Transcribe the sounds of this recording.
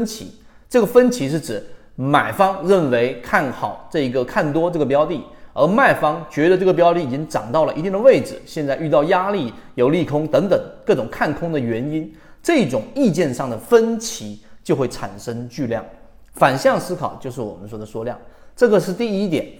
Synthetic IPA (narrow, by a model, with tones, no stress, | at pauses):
nt͡ɕʰḭ˧˥ | ʈ͡ʂɤ˥˩ɡə˩fə˥nt͡ɕʰi˧˥ʂ̬ɻ̩˥˩ʈ͡ʂɻ̩˨˩˦ | ma˨˩ɪfɑ˥ŋɻə˥˩nwe˧˥ɪkʰa˥˩nxɑ˨˩˦ʊʈ͡ʂɤ˥˩i˧˥ɡə˧kʰa˥˩nt̪wɔ˥ʈ͡ʂɤ˥˩ɡə˩p̬jɑ˥ʊt̪i˥˩ə˞˧˥ma˥˩ɪfɑ˥ŋt͡ɕɥɛ˧˥d̪ə˧ʈ͡ʂɤ˥˩ɡə˩pjɑ˥ʊt̪i˥˩i˨˩t͡ɕi˥ŋʈ͡ʂɑ̰˨˩ŋt̪ɑ˥˩ʊlə˩i˧˥t̪i˥˩ŋd̪ə˨˧we˥˩ɪʈ͡ʂɻ̩˩ɕjɛ˥˧nt͡sa˥˧ɪy˥˧t̪ɑ˥˩ʊja˥li˥˩jo˨˩ʊli˥˩kʰʊ˥ŋt̪ɤ˧˥ŋt̪ə˨˩˦ŋkɤ˥˩ʈ͡ʂʊ˨˩ŋkʰa˥˩nkʰʊ˥ŋd̪ə˨ɥɛ˧˥ni˥n | ʈ͡ʂɤ˥˧i˥˩ʈ͡ʂʊ˨˩˦ŋi˥˧t͡ɕjɛ˥˧nʂɑ˥˩ŋd̪ə˩fə˥nt͡ɕʰi˧˥t͡ɕjo˥˧ʊxwe˥˩ɪʈ͡ʂʰa˨˩nʂə˥ŋt͡ɕy˥˧ljɑ̰˥˩ŋ | fa˨˩nɕjɑ˥˩ŋsɹ̩˥kʰɑ˨˩ʊt͡ɕjo˥˧ʊʂɻ̩˥˩wɔ˨˩mə˦nʂwɔ˥d̪ə˨˩ʂwɔ˥ljɑ̰˥˩ŋʈ͡ʂɤ˥˩ɡə˩ʂɻ̩˥˧t̪i˥˩i˥t̪jɛ̰˨˩˦n